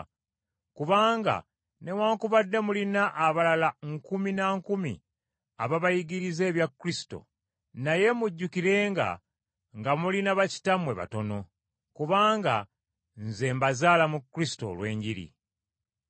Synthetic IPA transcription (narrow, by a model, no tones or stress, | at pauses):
kuβaːŋɡa̰ | ne̞waːŋkuβadːe̞mulinaʔːβalalaŋkuminaŋkumḭ | aβaβajiɡiɾize̞ːβjakːɾisi̥to̰ | naje̞muɟːukiɾe̞ːŋɡa̰ | ŋɡamulinaβaci̥tamwe̞βa̰to̞no̞ | kuβaːŋɡa̰ | nze̞mbazaːlamukːɾisi̥to̞̰lwe̞ːɲɟiɾḭ